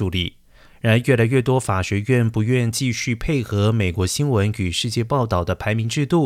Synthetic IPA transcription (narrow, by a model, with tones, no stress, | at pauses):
u˨˩li˥˩ | ɻa˧˥nə˧˥ɥɛ˥˩la˧˥ɪɥɛ˥˩t̪wɔ˥fa˨˩ɕɛ˧˥ɥɛ˥˩npu˧˥ɥɛ˥˧nt͡ɕi˥˧ɕy˥˧pʰe˥˩ɪxɤ˧˥me˨˩ɪkwɔ˧˥ɕi˥nwə˧˥ny˨˩ʂɻ̩˥˧t͡ɕjɛ˥˧pɑ˥˧ʊt̪ɑ˥˩ʊd̪ə˦pʰa˧˥ɪmi˧˥ŋʈ͡ʂɻ̩˥˧t̪u˥˩